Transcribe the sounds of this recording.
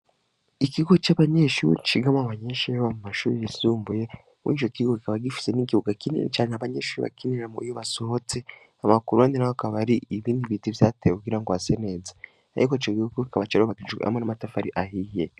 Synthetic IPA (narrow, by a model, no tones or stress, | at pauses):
ikiɡo̞t͡ʃaβaɲe̞ːʃṵɾḭɾḭt͡ʃiɡamoβaɲeːʃajoβamumaʃṵːɾiisuːmbuje̞ | mwḭt͡ʃo̞kiɡokikaβaɡifi̥se̞niɡihuɡakinḭḛt͡ʃaːneaβaɲeːʃuːɾiβa̰kiniɾamṵijoβaso̞hot͡se | amakuɾuaːndinahokaβaɾiiβiːndiβitivjateekuɡiɾaŋɡoasene̞ːza | a̰ɾikoit͡ʃoɡiuɡokikaβat͡ʃaɾoβakit͡ʃṵʔa̰monamatafaɾḭʔahije